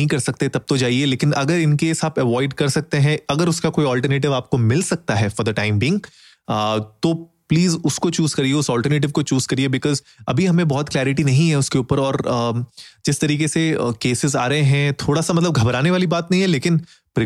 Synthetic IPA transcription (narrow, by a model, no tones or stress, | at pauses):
ɦĩkɐɾsɐk̚t̪et̪ɐb̚t̪od͡ʒaːieleːkɪnʔɐ̰ɡəɾɪnkeɪsaːpɛʋɔːɪɖkɐɾsɐk̚t̪eɦɛ̃ɐɡəɾʊskakoːiɔːlʈəɾneːʈɪʋaːp̚komɪlsɐk̚t̪aɦɛfɔːɾd̪ɐʈãːɪ̃mbiːɪ̃ŋɡ | t̪oː | pliːzʊskot͡ʃuːz̥kɐɾieʊsɔːlʈəɾneːʈ̬ɪʋkot͡ʃuːz̥kɐɾiebɪkɔːz | ɐ̰bʱiɦɐmẽbɔɦɔt̪klɛːɾɪʈinɐɦĩɦɛ̃ʊskeuːpəɾɔːɾ | d͡ʒɪst̪ɐɾiːkesḛkeːsɪza̰ːɾɐɦẽɦɛ̃t̪ʰoːɽasamɐt̪ləbɡʱɐbɾaːneʋaːlibaːt̪nɐɦĩɦɛleːkɪn | pɾ